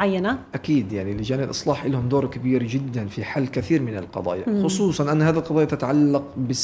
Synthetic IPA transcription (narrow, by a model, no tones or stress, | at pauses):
ʕajːanaʔakiːd̪jaʕnilːɪd͡ʒaːnɪlʔɨsˤlɑːħʔɪlːhʊmd̪oːɾˤkabiːɾd͡ʒɪd̪ːanfiħalːkɪθiːɾmɪnɪlqɑ̰d̪ˤɑ̰ːjaxʊsˤuːsˤɑnʔanːhaːðilqɑðˤɑːjat̪at̪aʕalːɑqbɪs